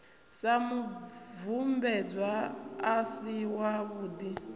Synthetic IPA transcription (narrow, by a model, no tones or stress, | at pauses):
samuvumbɛd͡zwaːsiwaβuːdi